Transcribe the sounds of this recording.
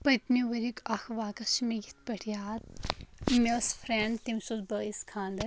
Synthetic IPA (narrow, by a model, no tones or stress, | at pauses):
pɐt̪miʋɐɾikɐxʋaːkɐʃmijit̪pɐʈʰjaːt̪̚ | mesfʰɾeɳɖt̪imsuzbɐiskʰãːnd̪ɐ